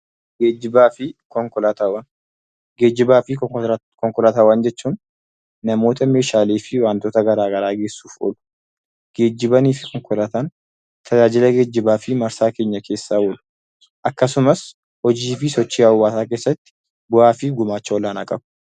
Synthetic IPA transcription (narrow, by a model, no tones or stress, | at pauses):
ɡeːd͡ʒːɪbaːfɪkɔŋkɔlat̪aːwɐn | ɡe̞ːd͡ʒːɪbaːfɪkɔŋkɔlɐt̪aːwɐnd͡ʒɛt͡ʃːuːnː | ɐmo̞ːt̪ɐme̞ːʃaːleːfɪwaːnt̪oːt̪ɐɡɐɾaːɡɐɾaːɡe̞ːsːuːfo̰ːlʊ̥ | ɡ̥e̞ːd͡ʒːɪbɐniːfɪkɔŋkʼɔlɐt̪aːn | t̪ʰɐd͡ʒaːd͡ʒɪlɐɡe̞ːd͡ʒːɪbaːfɪmɐɾsaːkeːɲːɐkʰe̞ːsːaːoːlʊ̥ | ʔɐkːɐsʊmɐs | hɔd͡ʒiːfɪsɔt͡ʃːiːɐwːaːsaːke̞ːsːɐt̪ːɪ̥ | bʊʔaːfɪɡʊmaːt͡ʃːɐɔlaːnɐkʼɐbʊ̥